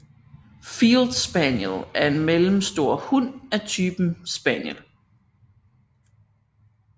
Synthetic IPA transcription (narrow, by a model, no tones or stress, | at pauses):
fiːld̥sb̥ænjəlæɐe̝nmelm̩sd̥o̝ɐ̰hun̰æt͡sʰyːb̥m̩sb̥ænjəl